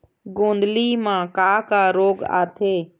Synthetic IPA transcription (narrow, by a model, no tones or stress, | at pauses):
ɡõːnd̪liːmãːkaːkaːɾoːɡa̰ːt̪ʰeː